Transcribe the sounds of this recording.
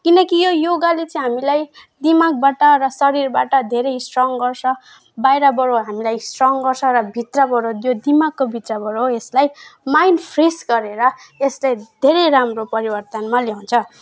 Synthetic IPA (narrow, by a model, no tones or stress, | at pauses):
kinʌkijojoɡalet͡sʌĩɦamilajd̪imaɡ̚baʈʌɾʌsʌɾirbaʈʌd̪ʱeɾʌjsʈrɔŋɡʌrt͡sʰʌ̃ | bajɾʌbʌɾoɦamilajsʈrɔŋɡʌrt͡sʰʌ̃ɾʌbʱit̪rʌbʌɾojod̪imaɡkːobʱit̪rʌbʌɾoeslajmajnpʰresɡʌɾeɾʌeslajd̪ʱeɾejramropʌɾibʌrt̪ʌnmaljaw̃nt͡sʰʌ